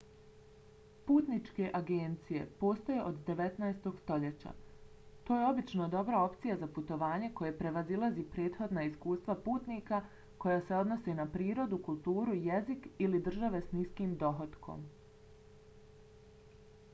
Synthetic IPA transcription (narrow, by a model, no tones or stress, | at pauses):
puːt̪nit͡ʃke̞ʔaɡe̞nt̪sije̞̰po̞ːst̪oje̞ʔod̪ːe̞ʋe̞t̪naest̪o̞ɡst̪o̞ʎe̞t͡ɕa̰ | t̪oːje̞o̞bit͡ʃnod̪o̞bɾao̞pt̪sijazaput̪o̞ʋaːɲe̞ko̞jepɾe̞ʋazilˠazipɾe̞ːt̪xo̞d̪naiskuːst̪ʋapuːt̪niːka | ko̞jase̞o̞d̪no̞senapɾiːɾo̞d̪ukulˠt̪uːɾujezikilid̪r̩ʒaʋe̞sniskiːmd̪o̞ɦot̪kʰo̞̰m